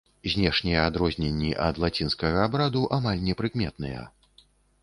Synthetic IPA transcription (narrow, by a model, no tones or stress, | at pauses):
zʲnʲɛʂnʲɛjɛad̪ɾɔzʲnʲɛnʲːiʔɐd̪lˠat͡sʲinskɐɣɐːbɾad̪uʔamalʲnʲɛpɾɨkmʲɛt̪̚nɨjɐ̰